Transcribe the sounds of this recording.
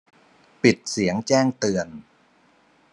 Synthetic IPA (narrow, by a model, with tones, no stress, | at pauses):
pi˨˩t̪̚si˨˩˦əŋt͡ɕɛː˥˩ŋt̪ɯ˧ən